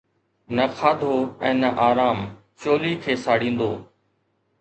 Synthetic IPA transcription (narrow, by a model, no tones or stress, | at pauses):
nəkʰaːd̪ʱoːɛ̃ːnəʔaːɾaːm | t͡ɕoːlikʰeːsaːɽĩːn̆d̪oː